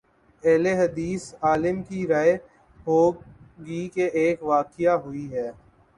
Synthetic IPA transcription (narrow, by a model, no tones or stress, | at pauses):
ɛːleɦɐd̪iːsaːlɪmkiɾaːe | ɦoːɡikeʔeːkʋaːkijaɦʊiɦɛː